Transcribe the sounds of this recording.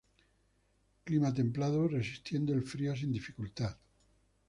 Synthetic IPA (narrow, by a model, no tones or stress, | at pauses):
klimat̪̬e̞mplaðore̞sist̪jend̪oelfɾios̬ind̪ifikult̪að